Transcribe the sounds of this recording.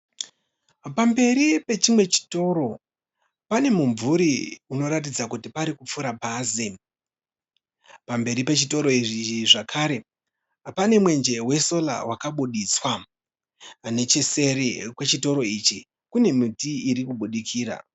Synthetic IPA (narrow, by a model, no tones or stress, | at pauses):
pambe̞ɾipe̞t͡ʃimwe̞t͡ʃi̥to̞ro̞ | pane̞muɱvuɾiuno̞ɾat̬id͡zakutipaɾikup͡fuɾapaːze | pambe̞ɾipe̞t͡ʃito̞ɾo̞iʐiiʐakʰaɾe̞ | pane̞mwe̞nd͡ʒe̞we̞so̞la̰wakaɓuɗiswa | ne̞t͡ʃese̞rekwe̞t͡ʃito̞ɾo̞it͡ʃi | kune̞mitiiɾikuɓuɗikʰiːra̰